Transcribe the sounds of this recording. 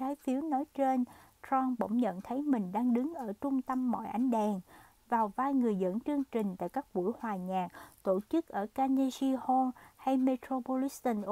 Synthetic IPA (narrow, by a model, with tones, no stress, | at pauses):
aː˨˦jfi˨˦əwnɔ˨˦jt͡ɕe˧n | tɔ˧nɓə̰˧˥wŋ͡mɲə̰˧˨nt̪ʰə˨˦jmï˨˩ŋ̟ɗaː˧ŋɗɨ˨˦ŋʔəː˧˩t͡ɕʊ˧ŋ͡mt̪ə˧mːɔ̰˧˨jʔa˨˦jŋ̟ɗɛː˨˩ŋ | vaː˨˩wvaː˧jŋɨ˨˩əjzə̰˧˥nt͡ɕɨ˧əŋt͡ɕï˨˩ŋ̟t̪a̰ː˧˨jkaː˦˥k̚vṵ˧˥jhwaː˨˩ɲaː˨˩k̚t̪o˧˩t͡ɕɨ˦˥k̚ʔəː˧˩kaː˧ne˧zi˧ho˧nha˧jme˧t̪ɾo˧po˧li˦˥st̪ə˧nʔ